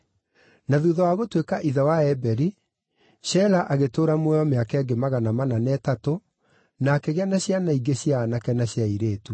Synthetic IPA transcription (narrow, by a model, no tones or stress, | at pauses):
naðuːðɔwaɣotwekaʔiðawaɛbɛɾi | ɕɛlaʔaɣetoːɾamwɛɔmeakɛɡemaɣanamananɛtato | naːkeɣanaɕjanaiɡeɕjaːnakɛnaɕjaiɾeːtu